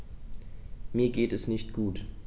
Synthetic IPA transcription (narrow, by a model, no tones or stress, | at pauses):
miːɐɡeːtɛsnɪçtɡ̥uːt